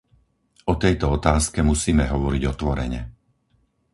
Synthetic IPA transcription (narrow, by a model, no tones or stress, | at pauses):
ɔt̪ɛjt̪ɔɔt̪aːskɛmusiːmɛɦɔʋɔɾiɟɔt̪ʋɔɾɛ̰ɲɛ